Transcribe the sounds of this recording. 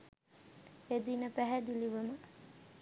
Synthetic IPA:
ed̪inəpæɦæd̪iliʋəmə

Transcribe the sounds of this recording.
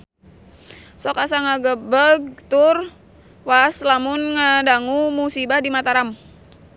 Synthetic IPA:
sɔkasaŋaɡəbəɡt̪ʊr | waslamʊnŋadaŋumusibahdimat̪aɾam

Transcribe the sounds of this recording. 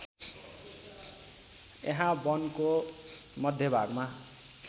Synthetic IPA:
ḛɦãbʌnko | mʌd̪ʱjʌbʱaɡma

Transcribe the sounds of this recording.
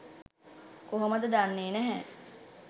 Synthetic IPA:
koɦoməd̪əd̪anːeːnæɦɛ

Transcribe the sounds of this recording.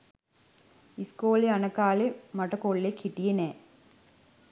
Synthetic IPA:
iskoːleɐnɐkːaːlemɐʈːɐkoːɭːekʰiʈːijɐnɛː

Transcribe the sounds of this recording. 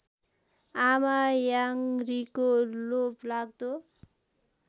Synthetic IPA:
amajaŋrikoloplaɡ̚d̪o

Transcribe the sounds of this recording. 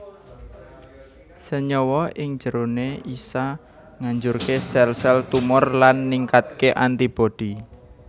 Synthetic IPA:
səɲɔwɔɪŋ̥d͡ʒ̥əɾoneisa | ŋaɲd͡ʒurkesɛlsɛlt̪umʊrlanːiŋkat̪̚keʔant̪ib̥o̤d̪̥i̤

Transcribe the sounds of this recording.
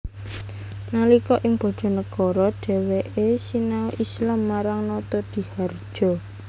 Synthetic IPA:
nalikɔʔɪŋb̥ɔ̤ɖ̥ɔ̤nəkɔɾɔɖ̥ɛ̤weʔesinauʔislamːaɾaŋnɔt̪ɔd̪̥i̤hard̥ʒ̥ɔ̤

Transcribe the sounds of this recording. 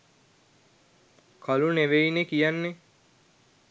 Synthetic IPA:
kʰaluneʋeinekijanːe

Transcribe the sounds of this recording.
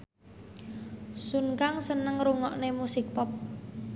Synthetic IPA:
sunkaŋsənəŋɾuŋɔʔnemusɪk̚pɔp̚

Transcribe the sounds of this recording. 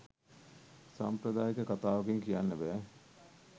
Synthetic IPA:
sampɾɐd̪aːjekəkat̪aːʋɐkeŋkijanːəbɛː

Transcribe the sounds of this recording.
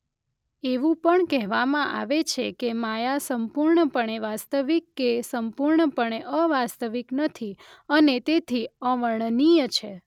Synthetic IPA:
eʋũpəɳkɛɦʋamãʔa̰ʋet͡ʃʰekemajasəmpuɾɳəpəɳeʋast̪əʋikːesəmpuɾɳəpəɳeʔəʋast̪əʋiknət̪ʰi | ənet̪et̪ʰiəʋəɳnijət͡ʃʰe

